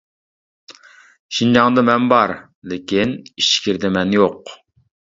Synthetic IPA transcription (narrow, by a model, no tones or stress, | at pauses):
ʃind͡ʒɑŋd̪ɨmɛnbɑɾ | lekʲiniʃkʲʰiɾd̪ɛmɛnjoq